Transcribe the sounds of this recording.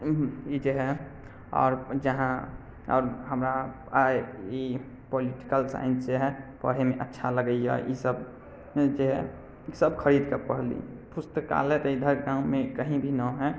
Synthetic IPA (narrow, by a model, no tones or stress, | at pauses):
id͡ʒeɦɛ | ɔ̰ːɾd͡ʒəɦã | ɔːɾɦəmɾa | ai | poliʈi̥kəlsa̰ɪnsd͡ʒeɦɛpə̰ɽ̤emẽʔə̰tːʃʰaləɡəija̰ʔisəb | d͡ʒeɦɛ | səbkʰəɾid̪kəpəɽ̤lḭpust̪əka̰let̪id̪ʱəɾɡaũmẽkəɦĩbʱinɔɦɛ